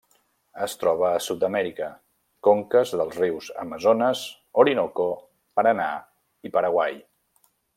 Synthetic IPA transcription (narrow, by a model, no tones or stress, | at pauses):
əst̪ɾɔβ̞əːsut̪̚d̪əmɛɾikə | koŋkəzðəlˠzriwzə̰məzonəz | oɾinoko | pəɾəna̰ | ipəɾəɣwaj